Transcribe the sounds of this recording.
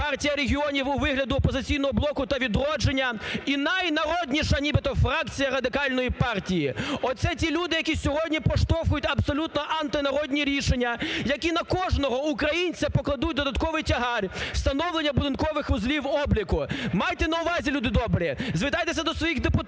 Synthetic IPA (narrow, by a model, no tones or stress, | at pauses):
pɑrtʲijɐɾeɦʲiɔnʲiwʊʋɪɦlʲɐd̪ʊɔpɔzɪt͡sʲijnɔɦɔblˠɔkʊt̪ɐʋʲid̪ɾɔd͡ʒenʲːɐinɐjnɐɾɔdʲnʲiʃɐnʲibɪt̪ɔfɾakt͡sʲijɐɾɐd̪ɪkɑlʲnɔjipɑrtʲijiɔt̪sɛtʲilʲud̪ɪjɐkʲisʲɔɦɔdʲnʲipɔʃt̪ɔwxʊjʊtʲɐbsɔlʲut̪nɔʔɐnt̪ɪnɐɾɔdʲnʲiɾʲiʃenʲːɐjɐkʲinɐkɔʐnɔɦɔukɾɐjinʲt͡sʲɐpɔklˠɐd̪ut̚ʲd̪ɔd̪ɐt̪kɔʋɪjtʲɐɦɑrʲst̪ɐnɔwlˠenʲːɐbʊd̪ɪnkɔʋɪxʋʊzlʲiwɔblʲikʊmɑjt̪ɛnɐʊʋɑzʲilʲud̪ɪd̪ɔbɾʲizʋɪt̪ajt̪esʲɐd̪ɔsʋɔjixd̪epʊt̪